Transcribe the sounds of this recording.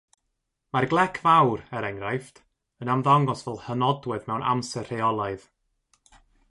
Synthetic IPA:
marɡlˠɛkʰvawɾɛɾɛŋrajft | ənamðaŋɔsvɛlˠhənɔdwɛðmɛwnʔa̰msɛr̥eɔlˠaɨð

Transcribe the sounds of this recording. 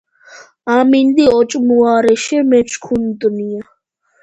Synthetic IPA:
amind̪iɔt͡ʃʼmuaɾɛʃɛmɛt͡ʃʰkʰunt̪ʼnia

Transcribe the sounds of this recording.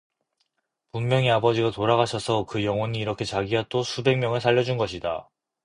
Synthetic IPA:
pummjʌŋiabʌd͡ʑiɡatoɾaɣaɕʰʌsʰʌkɯjʌŋwʌniːɾʌkʰe̞t͡ɕaɡiat͈osʰube̞ŋmjʌŋɯɭsʰaʎːʌd͡ʑunɡʌɕʰida̰

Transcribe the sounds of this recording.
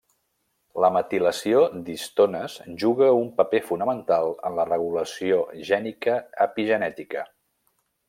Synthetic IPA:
ləmət̪iləsiod̪ist̪onəsʒuɣəumpəpefunəmənt̪alˠə̰nlərəɣ̞uləsioʒɛnikəəpiʒənɛt̪ikə

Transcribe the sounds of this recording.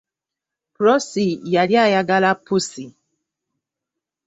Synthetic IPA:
pɾɔsijaljajaɡalapusi

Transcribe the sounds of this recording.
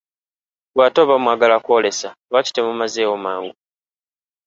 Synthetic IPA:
βwaːtoβamwaːɡalakwole̞saβaci̥temumazeomaːŋɡu

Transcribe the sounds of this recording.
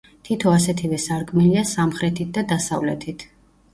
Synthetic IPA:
t̪ʰit̪ʰɔasɛt̪ʰivɛsaɾkʼmiliasamχɾɛt̪ʰit̪̚d̪ad̪asa̰vlɛt̪ʰit̪ʰ

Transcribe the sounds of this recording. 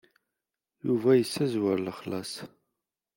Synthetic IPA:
juvæjəsːæzwæɾləχlɑ̰s

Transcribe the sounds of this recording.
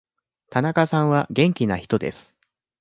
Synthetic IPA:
t̪anakasãɰ̃βaɡẽ̞ŋkʲinaçi̥t̪o̞d̪e̞̰sɨ̥

